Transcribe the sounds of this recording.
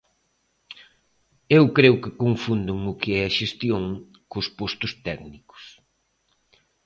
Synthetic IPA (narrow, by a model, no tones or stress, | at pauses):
ewkɾeʊkɪkoɱfund̪ʊŋʊkɪɛɐʃest̪joŋ | kʊspost̪ʊst̪ɛknikʊ̥s